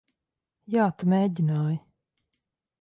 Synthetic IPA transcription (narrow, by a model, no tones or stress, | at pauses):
jaːt̪umʲeːɟinaːj